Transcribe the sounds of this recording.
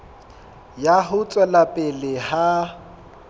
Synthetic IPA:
jaɦʊt͡sʼɛlapʼɪlɪha

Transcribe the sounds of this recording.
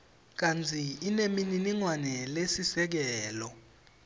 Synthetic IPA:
k̬ant͡sʰiinemininiŋwanɛlesisɛk̬ɛːlɔ

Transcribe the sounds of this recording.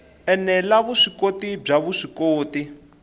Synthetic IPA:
ɛnɛlaβuʂikotib͡ʐaβuʂikoːti

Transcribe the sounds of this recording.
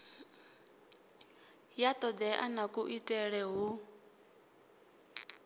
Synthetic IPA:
jat̪ʼɔd̪ɛʔa̰nakʼuʔitʼɛɺɛɦu

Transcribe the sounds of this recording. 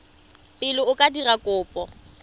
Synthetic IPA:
pʼɪlʊʊkʼadirakʼʊːpʼɔ

